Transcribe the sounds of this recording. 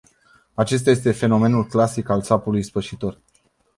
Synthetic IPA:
at͡ʃe̞s̬t̪aje̞s̬t̪e̞fe̞no̞me̞nulklasikaltsapulujspəʃit̪o̞r

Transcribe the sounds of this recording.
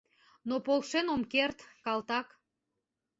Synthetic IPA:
nopolˠʃenomkert̪kɑlt̪ɑk

